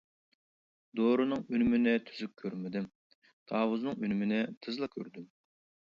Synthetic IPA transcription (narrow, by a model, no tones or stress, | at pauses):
d̪oɾɨnɨŋynmɪnɪt̪ʰy̥zyk̚ʲʰøɾmɪd̪ym | d̪̥ʰɑːwʊznɨŋynmɪnɪt̪ʰɨzlˠɑkʲʰø̰ɾd̪ym